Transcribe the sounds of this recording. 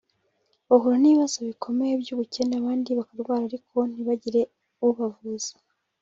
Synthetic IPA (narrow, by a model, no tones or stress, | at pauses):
βohuɾaniiβazoβikʰo̞mejebjuːβuce̞ːndaβaːndiβakaɾɡwaːɾaɾikʰo̞n̥iβaɟiɾe̞ | uβavuz̥ḁ